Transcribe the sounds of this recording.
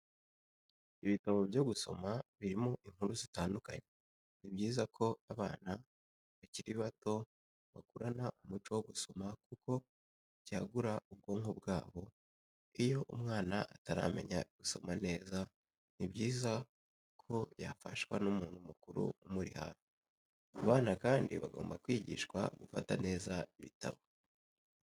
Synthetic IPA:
iβitaβo̞bjo̞ɡuso̞̰maβiɾimoʔiŋ̥huɾuzitaːnduka̰ɲe | nibɟiːzakʰo̞aβaːna | βaciɾiβato̞ | βakuɾanaʔumut͡ʃowoɡuso̞makuko̞ | ɟaːɡuɾaub̚ɡo̞ːŋobɡaːβo̞ | ijo̞ʔumŋaːnaʔataɾa̰me̞̰ɲaɡ̥uso̞mane̞ːza | nibɟiːza | kʰo̞jafaʃwanumuːnhumukuɾṵumuɾḭha̰ɾo | aβaːnakaːndiβaɡo̞̰ːmbakwiːɟḭʃkwa̰ɡufatane̞ːzaiβita̰βo

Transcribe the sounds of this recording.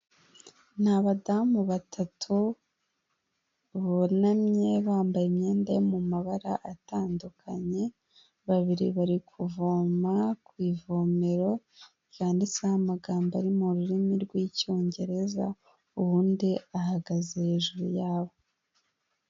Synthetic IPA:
nhaβadamuβatʰatʰu | βonamɲe̞βaːmbajemɲe̞ːndajomumaβaɾaʔataːndukʰaɲe̞ | βaβiɾḭβaɾikʰuvoːmakwiːvo̞ːme̞ɾo̞ | kaːndisehamaɡaːmbaɾimuɾuɾimiɾɡwiːco̞ːɲɟe̞ɾe̞za | uβuːndiahaɡazehe̞ːʒuɾujaːβo̞

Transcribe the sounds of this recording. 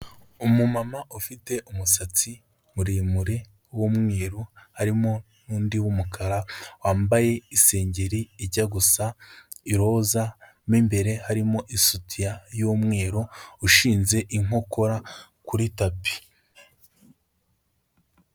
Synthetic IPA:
umumamaʔufite̞ʔumusat͡si | muɾimuɾe | womŋe̞ːɾohaɾimo̞ | nuːndiwumukʰaɾawaːmbaje̞ise̞ːɲɟe̞ɾiiɾɟaɡusaiɾo̞ːza | miːmbe̞ɾe̞haɾimo̞ʔisutʰijajoːmŋe̞ːɾouʃiːnze̞ʔiŋo̞ko̞ɾa | kuɾitapi̥

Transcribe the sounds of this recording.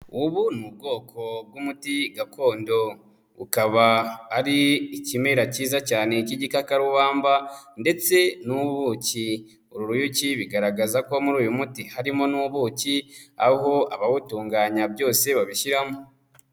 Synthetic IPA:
uβunub̚ɡo̞ːkʰo̞b̚ɡumutiɡakʰo̞ːndo̞ | ṵkaβaːɾiicime̞ɾaciːzacaːne̞ciɟikakaɾuβaːmbande̞t͡se̞nuβuːci | oɾuɾujuciβiɡaɾaɡazako̞muɾuːjumutihaɾimo̞nuβucia̰ɦo̞aβaβutuːŋɡaːɲabjo̞ːse̞βaβiʃiɾamo

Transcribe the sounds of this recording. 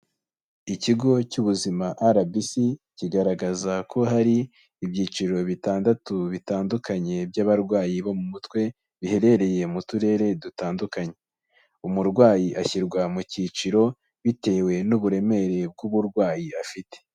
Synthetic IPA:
iciɡo̞cuβuzimaʔaɾabisiciɡaɾaɡazakʰo̞ɦaɾiː | bjiːt͡ʃiɾo̞βitaːndatuβitaːndukaɲe̞bjaβaɾɡwaːjiβomumutwe̞ | βihe̞ɾe̞ɾe̞je̞mutuɾe̞ːɾe̞dutaːndukaɲe̞ | umuɾɡwaːjiʔaçiɾɡwamucit͡ʃiɾo̞ | βite̞ːwe̞nuβuɾe̞me̞ɾe̞b̚ɡuβuɾɡwaːjiafite̥

